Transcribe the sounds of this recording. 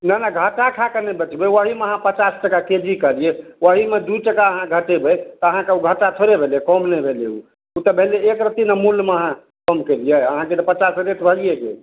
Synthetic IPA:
nanaɡʱəʈakʰakənebət͡ʃbewəɦimeəɦãpət͡ʃasʈəkaked͡ʒikəɾiewəɦimed̪uʈəkaəɦãɡʱəʈebɛt̪ɔəɦãkeuɡʱəʈat̪ʰoɾebʱeljekɔmnɛbʱeleṵ | ut̪əbʱeleekɾət̪inemulːmeəɦã | kɔmkelijeəɦãket̪ɔpət͡ʃasɾeʈbʱəlijeɡḛ

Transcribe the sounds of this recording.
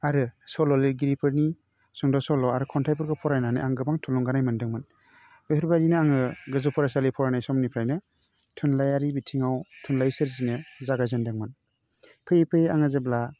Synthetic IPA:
aɾɯsɔlɔliɾɡiɾipʰɯɾni | sɔŋdɔsɔlɔaɾɯkʰɔntʰajpʰɯɾɡɯpʰɔɾajnanɯaŋɡɯbaŋtʰuluŋɡanajmandɯŋmɯn | beɯɾbajdinɯaŋɯɡɯzupʰɔɾasalipʰɔɾanajsɔmnipʰɾajnɯ | tʰunlajaɾibitʰiŋawtʰunlajsɯɾzinɯzaɡajzandaŋmɯn | pʰɯjpʰɯjaŋazebla

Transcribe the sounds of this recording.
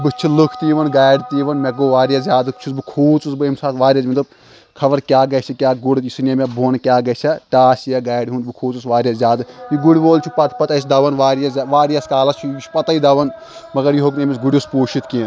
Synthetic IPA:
bɨt͡ʃʰilukʰt̪iːʋɐnɡaːjɖt̪iːʋɐnmɐɡoːʋaːɾjɐzʲjaːd̪ɨt͡ʃʰusbɨkʰuːt͡susbɨimsaːt̪ʋaːɾʲijɐːsmɐt̪ɐb | kʰɐʋɐɾkʲjaːɡɐjt͡ʃʰɐkʲaːɡuɽjisunijemʲebʱoːnkʲjaːɡɐt͡ʃʰɐʈaːsjɐɡaːjɽɦũːnbɨkʰuːt͡susʋaːɾʲjɐszʲjaːd̪ɨjiɡuɽʲboːlt͡ʃʰupɐt̪ʰpɐt̪ɐisd̪ɐʋɐnʋaːɾjɐsʲaʋaːɾjɐskaːlɐst͡ʃʰut͡ʃʰu̥pɐt̪ɐid̪ɐʋɐn | mɐɡɐɾjiɦoːknẽmʲisɡuɽʲuspuːʃʰit̪kiːn

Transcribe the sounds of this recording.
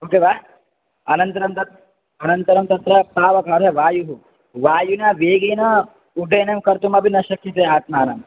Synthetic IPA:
oːkeːʋaː | ɐnɐnt̪ɐɾɐmt̪ɐt̪ | ɐnɐnt̪ɐɾɐmt̪ɐt̪ɾɐpaːʋɐkɐːɾɐʋaːjuɦu | ʋaːjunaːʋeːɡeːnɐ | uɖʱeːnemkɐɾt̪umɐbʱinɐʃɐkʰjit̪eːaːt̪̚maːnɐm

